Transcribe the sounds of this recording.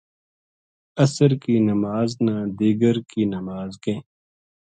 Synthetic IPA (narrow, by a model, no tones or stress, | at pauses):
ɐsəɾkiːnɐmaːznãːd̪iːɡəɾkiːnɐmaːzkẽː